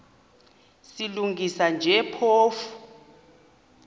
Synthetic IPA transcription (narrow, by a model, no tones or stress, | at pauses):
siluŋɡʱisand͡ʒʱɛpʰoːfu̥